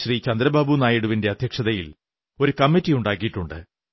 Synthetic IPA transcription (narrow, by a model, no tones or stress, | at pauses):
ɕriːt͡ɕɐnd̪ɾɐbaːbunaːjiɽuʋinde̞ɐd̪ʱjɐkʂɐðɐjil | o̞ɾukɐmːitːijuɳɖaːkːijiʈːuɳɖɨ̰